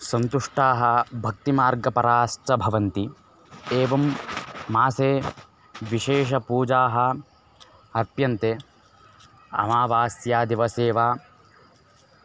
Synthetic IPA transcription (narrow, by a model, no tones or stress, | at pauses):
sɐnt̪uʂʈaːɦɐbʱɐk̚t̪imaːɾɡɐpɐɾaːsʈɐbʱɐʋɐnt̪i | eːʋɐmː | aːseː | ʋiʃeːʃ̬ɐpuːd͡ʒaːɦɐ̆ | ɐpjɐnt̪eː | ɐ̰maːʋaːsjaːd̪iʋɐseːʋaː